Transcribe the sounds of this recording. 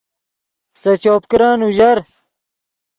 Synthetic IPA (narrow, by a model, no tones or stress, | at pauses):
sɐt͡ɕoːp̚kɾaːnuʑɐɾ